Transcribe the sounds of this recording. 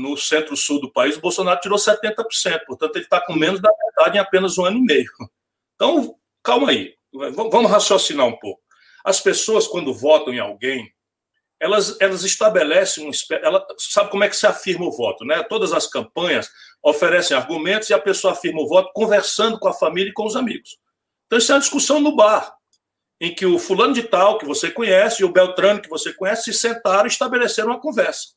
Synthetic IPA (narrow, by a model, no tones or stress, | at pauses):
nʊsẽnt̪ɾʊsuwd̪ʊpaizʊbowsõnaɾʊt͡ʃiɾosɛt̪ẽnt̪ɐpo̥ɾsẽnt̪ʊ̥poɾt̪ɐ̃t̪ʊelɪt̪akõmẽnʊzd̪ɐvɛd̪ad͡ʒɪẽapẽnɐzũɐ̃nʊimejʊ | ẽt̪ɐ̃w̃ | kawmɐi | ɛvɐ̃vɐ̃mʊɦasjosinaɾũpowk̚ʊ̥ | ɐspesoɐskwɐ̃nd̪ʊvɔt̪ɐ̃w̃ẽa̰wɡẽj̃ | ɛlɐzɛlɐzɪst̪abelɛsẽj̃ũispɛʔɛlɐsabɪkõmʊɛkɪ̥sɪafiɾmɐʊvɔt̪ʊnɛt̪od̪ɐzɐskɐ̃pɐ̃ɲɐs | ofeɾɛsẽj̃aɾɡumẽnt̪ʊzɪɐpesoɐafiɾmɐʊvɔt̪ʊ̥kõveɾsɐ̃nd̪ʊkõɐfamilʲjɐikõʊzamiɡʊs | t̪ɐ̃wisɛ̃ɐd͡ʒiskusɐ̃w̃nʊbaɾ | ẽj̃kɪʊfulɐ̃nʊd͡ʒɪt̪awkɪvosekõɲɛsɪɪʊbewt̪ɾõnʊkɪvosekõɲɛsɪ̥sɪsẽnt̪aɾɐ̃ist̪abeleseɾɐ̃w̃ɐkõvɛɾsɐ̥